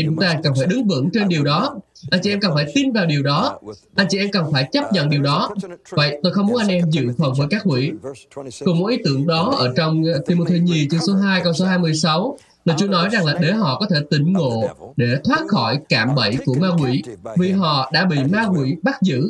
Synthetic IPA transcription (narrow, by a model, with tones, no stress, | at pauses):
t͡ɕʊ˨˦ŋ͡mt̪aː˧kə˨˩nfaː˧˩jɗɨ˨˦ŋvɨ̰˧˥ŋt͡ɕe˧nɗi˨˩əwɗɔ˨˦ʔa˧jŋt͡ɕḭ˨˧ʔɛ˧mkə˨˩nfaː˧˩jt̪i˧nvaː˨˩wɗi˨˩əwɗɔ˨˦ʔa˧jŋt͡ɕḭ˧˨ʔɛ˧mkə˨˩nfaː˧˩jt͡ɕə˦˥p̚ɲə̰˧˨nɗi˨˩əwɗɔ˨˦və̰˧˨jt̪o˧jxə˧wŋ͡mmu˨˦ə˦nʔa˧ŋnʔɛ˧mzɨ̰˧˨fə˨˩nvəː˨˦jkaː˦˥k̚hwḭ˧˥ | kʊ˨˩ŋ͡mmo̰˧˨˥ʔi˨˦t̪ɨ˧˩əŋɗɔ˨˦ʔəː˧˩t͡ɕɔ˧wŋ͡mt̪ʰi˧mo˧t̪ʰe˧ɲi˧t͡ɕɨ˧əŋso˨˦ɦaː˧jkə˧wso˨˦ɦaː˧jmɨ˧əjsa˨˦w | naː˨˩t͡ɕu˨˧˦ənɔ˨˦jza˨˩ŋlaː˨˩ɗe˨˦ɦɔ̰˧˨kɔ˨˦t̪ʰe˧˩t̪ï˧˩ŋ̟ŋo̰˧˨ɗe˧˩t̪ʰwaː˦˥t̚xɔ˧˩jkaː˧˩mɓə˧˩jku˧˩əmaː˧kwḭ˧˥vi˨˩ɦɔ̰˧˨ɗa̰ː˧˥ɓḭ˧˨maː˧kwḭ˧˥ɓa˦˥t̚zɨ̰˧˥˨